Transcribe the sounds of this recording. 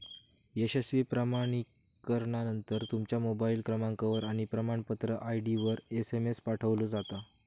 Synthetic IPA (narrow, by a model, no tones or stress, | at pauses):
eɕesʋiːpɾamaɽ̃ik | kːəɾɳanənt̪əɾt̪umt͡ɕjamobailkɾəmãŋkaʋəɾaɽ̃ipɾəmaɳpət̪ɾəʔaiɖiʋəɾesemespaʈʰəʋlod͡zat̪a